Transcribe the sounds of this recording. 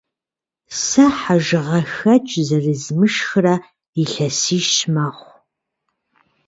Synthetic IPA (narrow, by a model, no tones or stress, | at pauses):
sɐħaʒɨʁɐxɐt͡ʃʼzɐrɨzmɨʃxɨrɐ | iɬɐsiːʃmɐχʷ